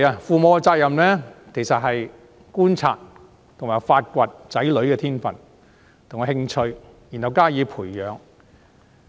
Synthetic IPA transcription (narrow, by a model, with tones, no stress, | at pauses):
aː˧fuː˨mɔː˨˧t͡saː˧k̚jɐ˨mlɛː˥kʰe˨˩jsɐ˨t̚ɦɐ˨j | kuː˥nt͡sʰa̰ː˧t̚ | t̪ʰʊ˨˩ŋmaː˨˩jfaː˧t̚kʷɐ˨˧t̚t͡sɐ˨˥jlɵ˨˧ɥkɛː˧t̪ʰiː˥nfɐ˨˩n | t̪ʰŋ˨˧hɪ˧ŋt͡ʃʰɵ˧ɥji˨nhɐ˨wkaː˥jiː˨˧pʰuː˨˩jjœː˨˧ŋ